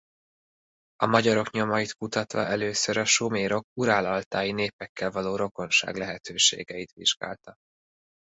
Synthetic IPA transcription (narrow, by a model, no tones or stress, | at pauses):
ɒmɒɟɒɾo̞kɲo̞mɒjit̪kut̪ɒt̪ʋɒ̰ʔɛløːsøɾɒʃomeːɾo̞k̚uɾaːlɒlt̪aːjineːpɛkːɛlvɒloːɾo̞ko̞nʃa̰ːɡlɛɦɛt̪ʰøːʃḛːɡɛjit̪ʋiʒɡa̰ːlt̪ɒ